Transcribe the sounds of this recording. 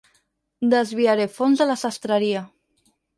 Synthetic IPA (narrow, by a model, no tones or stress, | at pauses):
d̪əzβiaɾefonzðəlasast̪ɾəɾia